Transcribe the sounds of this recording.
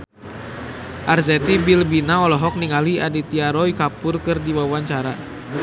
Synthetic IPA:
ʔarzɛt̪ibilbinaɔlɔɦɔk̚niŋaliadit̪iaɾɔikapʊrkɨrdiwawaɲt͡ʃaɾa

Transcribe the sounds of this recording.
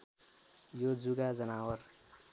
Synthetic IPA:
jod͡zuɡad͡zʌnawʌr

